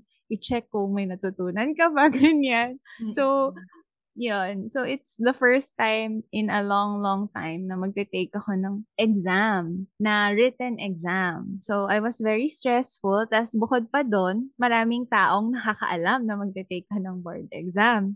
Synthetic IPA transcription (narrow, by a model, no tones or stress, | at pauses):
ʔɪt͡ʃɛkːʊŋmɐjnɐt̪ʊt̪uːnɐnkɐbaɡɐnjansow | jonsowʔɪt̪sd̪ɐfɛɹst̪ajmɪ̃nɐlɔŋlɔŋt̪a̰jmnɐmɐɡ̚t̪ɛt̪ejkːɐxo̞nɐŋʔɛɡzamnɐɹɪt̪ɛnʔɛɡzamsowʔajwɐsvɛɹist̪ɹɛsfʊlt̪asbʊkod̪̚pɐd̪onmɐɾaːmɪŋt̪aːʔo̞ŋnɐkɐkɐ̰ʔɐlamnɐmɐɡ̚t̪ɛt̪ejk̚ːonɐŋbɛɹd̪̚ɛ̰ɡzam